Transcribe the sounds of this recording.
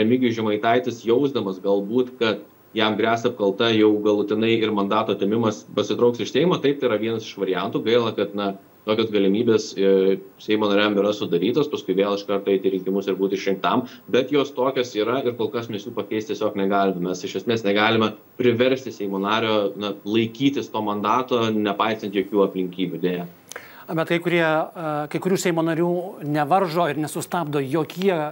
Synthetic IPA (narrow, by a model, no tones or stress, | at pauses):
ɛmʲɪɡʲɪʒʲɪmɐɪt̪ɐɪt̪ʲɪsjɛʊzd̪ɐmɐsɡɐlˠbuːt̪kɐt̪ | jæmɡɾʲæːsʲt̪ɐp̚kɐlˠt̪ɐjɛʊɡɐlˠʊt̪ʲɪnɐɪɪrmɐnd̪ɑːt̪oːt̪ʲemʲɪmɐspɐsʲɪt̪ɾɐʊksɪʃsʲɛɪmoːt̪ɐɪp̚t̪ɐɪiɾɐʋʲiɛnɐsɪʃʋɐɾʲɪjɛnt̪uːɡɐɪlˠɐkɐt̪nɐ | t̪oːkʲoːsɡɐlʲɪmʲiːbʲeːs | sʲɛɪmoːnɐɾʲɛmɪɾɐsʊd̪ɐɾʲiːt̪oːspɐskʊɪʋʲeːlˠɪʃkɐrt̪oɛɪt̪ʲɪɾʲɪŋʲkʲɪmʊsɪɾbuːt̪ɪʃʲɪŋk̚t̪ɐmbʲɛt̪joːst̪oːkʲoːsiːɾɐɪɾkoːlˠkɐsmʲɛsʲjuːpɐkʲɛɪst̪ʲiɛsʲoːknʲɛɡɑːlʲɪmɐmʲɛsɪʃɐsʲmʲeːsnʲɛɡɑːlʲɪmɐ | pʲɾʲɪʋʲɛɾʲsʲt̪ʲɪsʲɛɪmoːnɑːɾʲoːnɐlˠɐɪkʲiːt̪ʲɪst̪oːmɐnd̪ɑːt̪oːnʲɛpɑɪsɐnt̪joːkʲuːɐpʲlʲɪŋʲkʲiːbʲud̪ʲeːjɛ | bʲɛt̪kɐɪkʊɾʲiɛkɐɪkʊɾʲuːsʲɛɪmoːnɐɾʲuːnʲɛʋɐrʒoːɪɾnʲɛsʊst̪ɑːbd̪oːjoːkʲiɛ